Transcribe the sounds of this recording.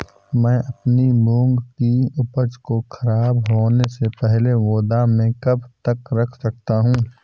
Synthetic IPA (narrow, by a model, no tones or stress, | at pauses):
mɛ̃ːʔɐpnimʊ̃ŋɡkiʊpəd͡ʒkoxʰɐɾaːbɦoːnesepɛɦleʋoːd̪amẽkɐbt̪ɐkɾɐkʰsɐk̚t̪aɦũː